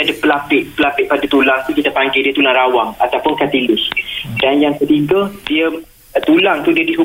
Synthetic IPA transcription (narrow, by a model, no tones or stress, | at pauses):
adapəlapɪʔpəlapɪʔpadat̪ulaŋt̪ukit̪apaŋɡajdiət̪ulaŋɾawaŋat̪awpʊnkat̪ilʊsdanjaŋkət̪iɡədiə | t̪ulaŋt̪udiədiɦu